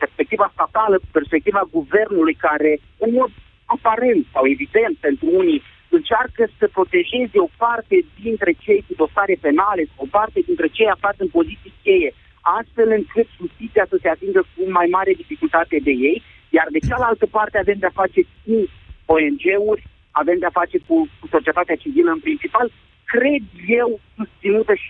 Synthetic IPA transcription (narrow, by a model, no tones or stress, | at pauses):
pe̞rspe̞k̚t̪ivast̪at̪aləku̥pe̞rspek̚t̪ivaɡuve̞rnulujkaɾe̞ | ɨnmo̞d̪̚ | apaɾe̞nt̪sawe̞vid̪e̞nt̪̚pe̞nt̪ɾuuni | ɨnt͡ʃarkəsəpɾo̞t̪e̞ʒe̞zeo̞part̪e̞d̪int̪ɾe̞t͡ʃe̞jkud̪o̞saɾe̞pe̞nale̞sawopart̪e̞d̪int̪ɾe̞t͡ʃe̞jafat̪sʲɨnpo̞zit̪sijkʲe̞je̞ | ast̪fe̞lɨŋkɨt̪ʒust̪it̪sijasəse̞at̪iŋɡəkumajmaɾe̞d̪ifikult̪at̪e̞d̪e̞je̞j | jard̪e̞t͡ʃalalt̪əpart̪eave̞md̪eafat͡ʃe̞k̚uo̞end͡ʒe̞urʲ | ave̞md̪eafat͡ʃe̞kukuso̞t͡ʃije̞t̪at̪eat͡ʃiviləɨnpɾint͡ʃipal | kɾe̞d̪je̞wsust̪sinut̪əʃi